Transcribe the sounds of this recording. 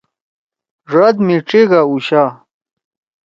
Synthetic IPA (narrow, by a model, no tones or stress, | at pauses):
ʐɐd̪miʈ͡ʂiɡauɕa